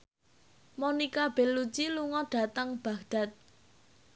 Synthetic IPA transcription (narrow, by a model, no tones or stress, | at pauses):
monikab̥e̤lːut͡ʃiluŋɔɖ̥a̤t̪əŋb̥a̤ɡɖ̥a̤t̪̚